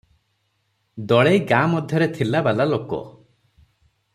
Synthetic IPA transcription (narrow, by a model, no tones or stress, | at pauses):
d̪ɔɭejɡamɔd̪ʱjɔɾet̪ʰilabalalokɔ̰